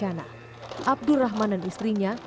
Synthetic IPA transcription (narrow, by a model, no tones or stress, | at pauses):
ana̰ | ʔab̚duraɦmandanist̪ɾiɲa